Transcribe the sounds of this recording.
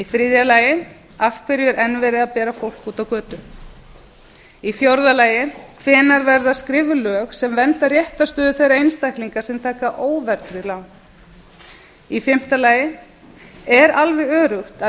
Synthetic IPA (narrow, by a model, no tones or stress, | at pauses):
ifɾɪːðjalaːjɪn | afkʰvɛɾjɛɾʔɛnvɛɾɪðaðpɛːɾafowl̥kuːt̪awkœːt̪ʏ | iθjowɾðalaːjɪnkʰvɛːnaɾvɛɾðaskɾɪːvʏlœːxsɛmvɛnt̪arjɛht̪ast̪œːðʏθejɾaejnst̪ajhkliŋkaɾ̥sɛmt̪ʰaːkaʔoːwvɛɾt̪ɾɪlawn | ifɪm̥t̪alaːjɪn | ɛɾalvɛɣœːɾʏxt̪a